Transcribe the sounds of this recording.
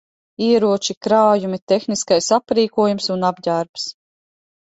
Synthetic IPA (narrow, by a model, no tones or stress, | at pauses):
iɛɾuɔt͡ʃikɾaːjumit̪exniskajsapɾiːkuɔjumsunabdaɾps